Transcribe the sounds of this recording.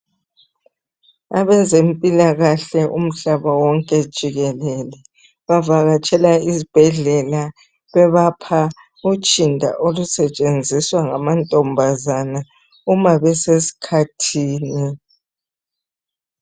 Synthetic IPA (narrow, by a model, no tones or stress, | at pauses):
aβɛzempʼilaɣaɬɛʔṵm̩ɬaβawɔŋkʼɛd̥ʒ̥ʱiɣɛlɛlɛ | βavaɣat͡ʃʼɛlaizib̥ʱɛɮɛla | βɛβapʰa | ut͡ʃʼindʱa̰ʔolusɛt͡ʃʼend͡zʱiswaŋamantʼɔmbʱazana | umaβɛsesi̥kʰatʰiːni